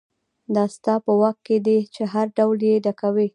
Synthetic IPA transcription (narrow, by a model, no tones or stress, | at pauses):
d̪ɑst̪ɑpəwakːed̪et͡ʃeɦaɾɖawljed̪akawi